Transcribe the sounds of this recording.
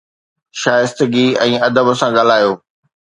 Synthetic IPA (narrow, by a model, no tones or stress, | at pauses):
ʃaːjɪst̪əɡiɛ̃ːɐd̪əbəsãɡɐl̤aːjoː